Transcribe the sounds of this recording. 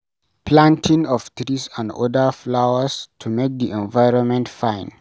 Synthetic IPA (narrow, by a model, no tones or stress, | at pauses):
pʰlãntʰĩŋɔft̪ɹisãndɔ̰dəflawəstʰumek̚diʔɛ̃nvaɪɹɔ̃nmɛ̃ntfãɪ̃n